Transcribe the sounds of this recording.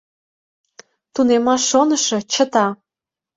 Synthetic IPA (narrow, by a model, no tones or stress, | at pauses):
t̪unemɑʃːonə̆ʃɤ̆t͡ɕə̆t̪ɑ